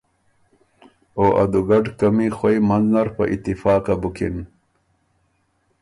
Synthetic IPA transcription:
oʔa̰d̪uɡaɖkamixwejmanznaɾpə̰ʔḭt̪ːifɑːkabukin

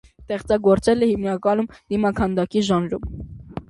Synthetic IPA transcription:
t̪ɛχt͡sɑɡɔɾt͡sɛlɛhimnɑkɑnumd̪̥imɑkʰɑnd̪ɑkiʒɑnɾum

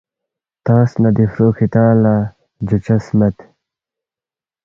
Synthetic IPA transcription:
t̪aːsnɐd̪ifɾoːkit̪ãːla | d͡ʑut͡ɕɐsmɐt̪

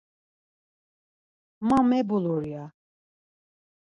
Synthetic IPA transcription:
mamɛbuluɾija

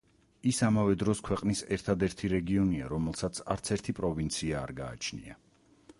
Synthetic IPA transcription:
isamavɛd̪ɾɔskʰwɛqʼnisɛɾt̪ʰad̪ɛɾt̪ʰiɾɛɡiɔnia̰ɾɔmɛlˠsat̪sʰa̰ɾt̪sʰɛɾt̪ʰipʼɾɔvint̪sʰia̰ːɾɡa̰ːt͡ʃʰnḭa̰

